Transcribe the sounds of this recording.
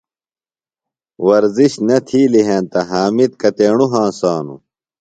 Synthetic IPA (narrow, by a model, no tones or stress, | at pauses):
wɐɾziɕnɐt̪ʰiːliɦẽːnt̪ɐɦaːmit̪̚kɐt̪eːɳuɦãːsaːnṵ